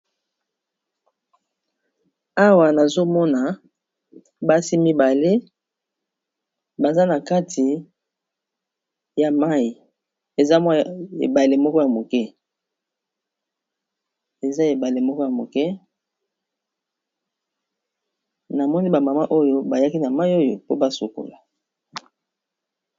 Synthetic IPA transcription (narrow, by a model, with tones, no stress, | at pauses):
a˦wa˨na˨zo˦mɔ˦na˨ | ba˦si˦mi˦ba˨le˦ | ba˨za˦na˨ka˦tʰi˨ | ja˨ma˦i˨ | e˨za˦ma˦ḛ˨ba˨le˦mɔ˦kɔ˦ja˨mo˨kɛ˦ | e˨za˦e˨ba˨le˨mɔ˦kɔ˦ja˨mo˨kɛ˦ | na˨mɔ˦ni˦ba˨ma˨ma˦ʔo˦jo˦ba˨ja˦ki˦na˨ma˦i˦o˦jo̰˨po˦ba˦so˨ko̰˨la˨